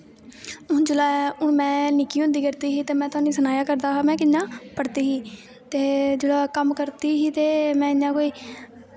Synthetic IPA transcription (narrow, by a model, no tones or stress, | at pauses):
ʊd͡ʒʊlaːʊmɛ̃ːnɪkːiːɦʊ̃nd̪iːkəɾt̪iːɦiːt̪eːmɛ̃ːt̪ʊaːnĩːsənaːjaːkəɾd̪aːaːmɛ̃ːkɪnːãːpəɽt̪iːɦiː | t̪eːd͡ʒʊlaːkəmkəɾt̪iːɦiːt̪eːmɛ̃ːɪɲãːkoːiː